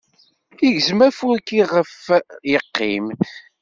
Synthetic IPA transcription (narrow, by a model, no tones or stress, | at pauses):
iʝzmæfuɾkːiʁəfjəqːḭm